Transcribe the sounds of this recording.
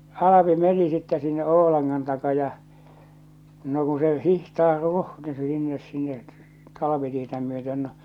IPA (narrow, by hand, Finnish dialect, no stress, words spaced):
ɑlɑpi meni sitːɛ sinːe oo̝lɑnŋɑn tɑkɑ jɑ no ku se hihtɑːr ruhni sinːes sinːe tɑlɑʋitietæ myøten no